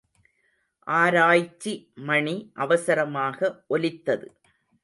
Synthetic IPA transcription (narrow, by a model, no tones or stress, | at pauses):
ʔaːɾaːjt͡ʃːimɐɳiʔɐʋɐsɐɾɐmaːɣɐʔɔlɪt̪ːɐðɯ